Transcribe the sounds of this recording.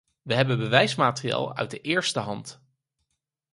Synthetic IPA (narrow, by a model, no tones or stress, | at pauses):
ʋəɦɛbənbəʋɛjsmaːtria̰ːlˠœ̰ɥ̚dəʔɪːɹstəɦɑnt